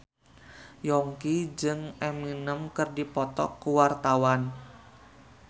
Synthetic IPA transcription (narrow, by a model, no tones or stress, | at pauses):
jɔŋkid͡ʒɨŋɛminəmkərdipɔt̪ɔ̰kːuwart̪awan